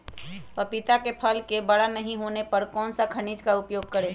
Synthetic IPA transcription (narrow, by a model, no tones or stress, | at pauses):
pəpɪt̪akepʰəlkebəɽanəɦĩɦoːnepəɾkɔːnsakʰəɽ̃iːd͡ʒkaʊpjoːɡ̚kəɾeː